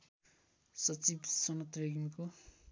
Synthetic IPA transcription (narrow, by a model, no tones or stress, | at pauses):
sʌt͡sibsʌnʌt̪reɡimko